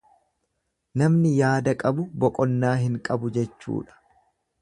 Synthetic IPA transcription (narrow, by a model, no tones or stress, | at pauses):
nɐmnɪjaːd̪ɐkʼɐbʊbɔkʼɔnːaːɦɪŋkʼɐbʊd͡ʒɛt͡ʃːṵːᶑɐ̥